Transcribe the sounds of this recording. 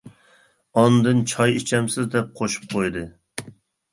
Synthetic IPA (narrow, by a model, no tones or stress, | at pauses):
ɑnd̪ɨnt͡ʃʰɑjit͡ʃʰɛmsɪzd̪ɛp̚qʰoʃu̥p̚qʰojd̪ɨ